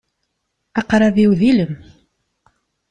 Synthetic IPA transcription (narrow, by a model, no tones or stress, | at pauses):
ɑqɾˤɑðiwðiləm